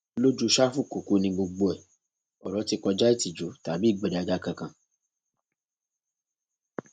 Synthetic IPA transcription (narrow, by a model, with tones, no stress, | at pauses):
lo˦d͡ʒu˦˧ʃa˦fu˦˨ko˨ku˨˦nĩ˧ɡ͡bo˧ɡ͡bo˧ɛ˨ | ɔ˨ɾɔ˨˦ti˧kɔ˧d͡ʒa˦i˦˨ti˨d͡ʒo˨˦ta˨bi˦˨ɡ͡bɛ˨ɾɛ˨a˧d͡ʒa˧kã˧kã˨